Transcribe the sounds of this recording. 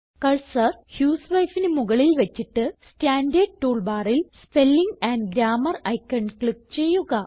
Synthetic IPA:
kɐɭsɐrhjuːsʋɐjfinemuɣɐɭilʋɐt͡ɕːiʈːɨsstaːnɖeːɖ̚ʈuːɭbaːrilspelːiŋɡɐːnɖɡɾaːmɐrɐjkːɐɳɖkɭip̚t͡ɕe̞jːuɣɐ

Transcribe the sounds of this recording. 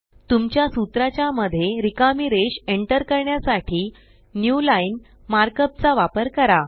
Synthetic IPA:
t̪umt͡ɕjasut̪ɾat͡ɕjaməd̪ʱːjeɾikamiɾeɕeɳʈəɾkəɾɳjasaʈʰiː | njulain | maɾkəp̚t͡saʋapəɾkəɾa

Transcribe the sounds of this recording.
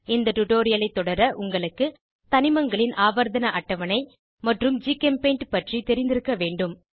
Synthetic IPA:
ɪnd̪ɐʈʊʈoːɾɪjɐlɐɪt̪ːɔɽɐɾɐʔʊŋɡɐɭɯkːɯ | t̪ɐnɪmɐŋɡɐɭɪnʔaːʋɐɾðɐnɐʔɐʈːɐʋɐnɐɪ | mɐʈrɯmd͡ʒiːkɛmpeːɳʈpɐʈrit̪ɛɾɪnd̪ɪɾɯkːɐʋeːɳɖɯm

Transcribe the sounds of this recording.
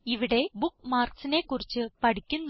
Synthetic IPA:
iʋiɽe̞bukmaːrksine̞kːurit͡ɕːɨpɐʈikʲːunː

